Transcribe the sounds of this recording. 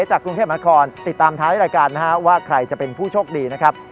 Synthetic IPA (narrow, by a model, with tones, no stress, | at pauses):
t͡ɕaː˨˩kɾu˧ŋt̪ʰeː˥˩p̚na˦˥kʰɔː˧nt̪i˨˩t̪ːaː˧mt̪ʰaː˦˥jɾaː˧jkaː˧nːa˦˥ka˦˥waː˥˩kʰɾa˧jt͡ɕa˨˩pe˧npʰuː˥˩t͡ɕʰoː˥˩k̚diː˧na˦˥kʰɾa˦˥p̚